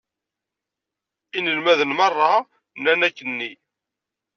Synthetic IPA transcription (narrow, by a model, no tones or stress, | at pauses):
inəlmæðənmɑrˤːɑ | nːænækːənːi